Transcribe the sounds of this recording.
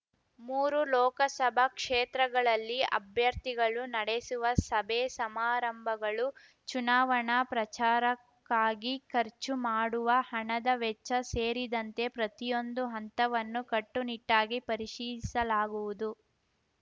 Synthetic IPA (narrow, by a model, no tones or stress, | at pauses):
muːɾulɔːkɐsɐbʱɐkʂeːt̪ɾɐɡɐɭɐlːiɐ̰bʱjɐɾt̪iɡɐɭunɐɽesuʋɐsɐbʱesɐmaːɾɐmbʱɐɡɐɭu | t͡ʃunaːʋɐɳɐpɾɐt͡ʃaːɾɐkːaːɡikɐɾt͡ʃumaːɽuʋɐhɐɳɐd̪ɐʋɛt͡ʃːɐseːɾid̪ɐnt̪e̞pɾɐt̪ijo̞nd̪uɦɐnt̪ɐʋɐnːukɐʈːuniʈːaːɡipɐɾiʂiːd̪isɐlaːɡuʋud̪u